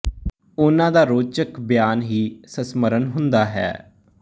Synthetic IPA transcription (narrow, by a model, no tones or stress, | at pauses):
ʊnãːd̪aːɾoːt͡ʃəkbjaːnɦiːsəsməɾənɦʊnd̪aːɦɛ̰ː